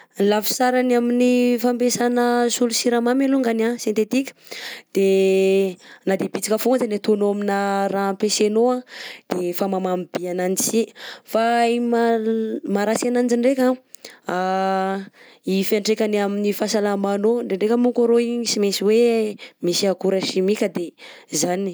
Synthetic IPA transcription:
lafi̥saɾanaminifampesanəsulusiɾamameluŋɡanasjent̪et̪ikʲə̥d̪̥e | nad̪epit͡sikəfuazenet̪onoaminaɾampesenoad̪̥efamamamib̥iananisifamamaɾasianand͡ʒiɳɖ͡ʐekʲaa | ifaɳʈ͡ʂekʲaniaminifasalamanoɳɖ͡ʐeɳɖ͡ʐekʲəmukaɾoiɲisimesiwemisiaɡuɾeʃimikʲəd̪ezani

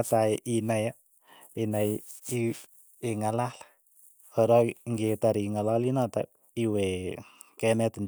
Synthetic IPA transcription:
atajʔinaja | inaji | eŋalal | ɔɾɔŋɡetaɾiŋalalinata̰ | iwe | kɛmɛtɪn

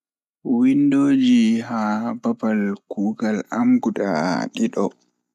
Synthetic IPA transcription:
windoːd͡ʒiɦabapalkuːɡalamɡuɗa̰ɗiɗɔ

